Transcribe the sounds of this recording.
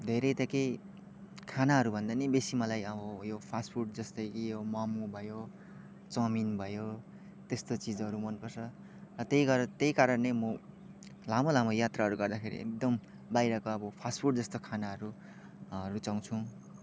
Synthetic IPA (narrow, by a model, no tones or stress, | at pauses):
d̪ʱeɾʌjt̪ʌke | kʰanaɦʌɾubʱʌnd̪anʌbesimʌlajʌbʌjopʰaspʰurʈ̚d͡zʌst̪ʌjkijomamubʱʌjo | t͡sʌminbʱʌjo | t̪est̪ot͡sid͡zʌɾumʌnpʌrt͡sʰʌ | rʌt̪ejɡʌrt̪ejkaɾʌnlemʌ | lamolamʌjat̪raɦʌɾuɡʌrd̪akʰeɾḭʔḛk̚d̪ʌm | bajɾʌkoʌbʌpʰaspʰuʈ̚d͡zʌst̪okʰanaɦʌɾu | ʌɾut͡saw̃t͡sʰũ